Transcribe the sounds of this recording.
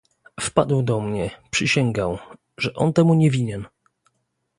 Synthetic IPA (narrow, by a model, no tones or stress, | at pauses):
fpa̰d̪wd̪ɔmɲɛpʂɨɕɛŋɡaw | ʐɛʔɔ̰nt̪ɛmuɲɛvʲiɲɛn